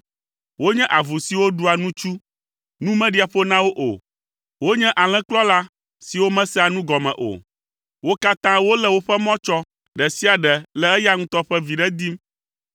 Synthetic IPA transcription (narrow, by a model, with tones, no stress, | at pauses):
wo˦ɲɛ̃˦ʔa˨vu˨si˨wo˦ɖu˦a˨nũ˦t͡ʃu˦ | nũ˦mɛ̃˦ɖi˦a˨ɸo˦nã˦wo˦ʔo̰˨ | wo˦ɲɛ̃˦ʔa˨l̃ɛ̃˦k͡plɔ˦la˦ | si˨wo˦mɛ̃˦sɛ˦a˨nũ˦ɡɔ˨mɛ̰̃˨ʔo̰˨ | wo˦ka˦t̪ã˦wo˦lɛ˦˨wo˦ɸɛ˦mɔ̃˦t͡ʃɔ˦ | ɖɛ˨si˦a˨ɖɛ˨lɛ˨ɛ˦ja˦ŋũ˦t̪ɔ˦ɸɛ˦vi˨ɖɛ˦d̪i˦m